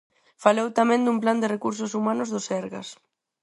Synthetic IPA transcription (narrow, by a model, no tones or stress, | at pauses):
falowt̪amɛ̃nd̪umpland̪ɪrekuɾsʊsumanʊzðʊsɛɾɣɐ̰s